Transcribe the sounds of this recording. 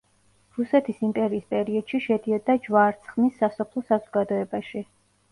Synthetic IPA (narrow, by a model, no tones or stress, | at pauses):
ɾusɛt̪ʰisimpʼɛɾiːspʼɛɾiɔd̪̥ʃiʃɛd̪iɔd̪ad͡ʒvaːɾt̪sʰχmisːasɔpʰlˠɔsazɔɡad̪ɔɛbaʃi